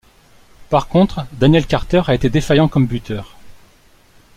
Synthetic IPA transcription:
paʁkɔ̃t̪χd̪anjɛlkaʁt̪œʁaet̪ed̪efajɑ̃kɔmbyt̪œːʁ

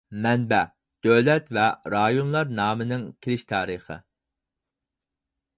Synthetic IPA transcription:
mɛnbɛ | d̪̥øwlɛt̪vɛɾɑjonlˠɑɾnɑːmɨnɪŋkʲʰelɪʃt̪ʰɑːɾəχə̰

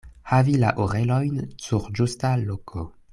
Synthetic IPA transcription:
havila̰ʔoʁelo̞jnsuɾd͡ʒustalokʰo

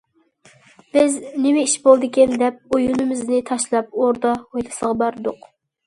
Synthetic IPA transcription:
b̥ɪznɪmɛiʃbolˠd̪ɨkʲɛnd̪ɛp̚ojunɨmɪznɪt̪ʰɑʃlˠɑp̚oɾd̪ɑhojlˠɨsəʁɑbɑɾɨd̪ʊq

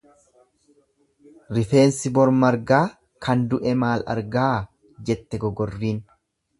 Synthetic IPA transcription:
ɾɪfe̞ːnsɪbɔɾmɐɾɡaː | kʰɐnd̪ʊʔɛmaːlɐ̰ɾɡaː | d͡ʒɛt̪ːɛɡɔɡɔrːiːn

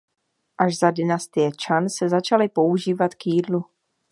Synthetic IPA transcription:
ʔaʃzadɪnast̪ɪjɛt͡ʃansɛzat͡ʃalɪpo̞uʒiːvat̪kjiːdlu

